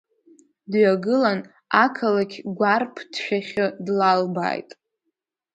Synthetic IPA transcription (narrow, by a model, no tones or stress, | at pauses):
dɥaɡɨlan | akʰalakʲʰɡʷarpʰd̥ʃᶣaχʲɨdlalba̰jtʼ